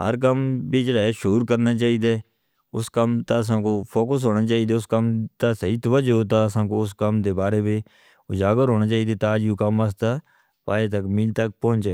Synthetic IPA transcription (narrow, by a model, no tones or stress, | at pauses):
ɦə̰ɾkəmbeːd͡ʒəɽaːaːʃuːɾkəɾnaːt͡ʃaːiːd̪eː | ʊskəmt̪aːəs̬ãːkoːpʰoːkəs̬ɦoːñaːt͡ʃaːiːd̪eːʊskəmt̪aːsəɦiːt̪oʋəd͡ʒoːt̪aːəsãːkoːʊskəmd̪eːbaːɾeːbeː | ʊd͡ʒaːɡəɾɦoːnaːt͡ʃaːiːd̪eːt̪aːd͡ʒuːkəməs̬t̪aː | paːeːt̪əkmɪlt̪ək̚pɦʊ̃nt͡ʃɛ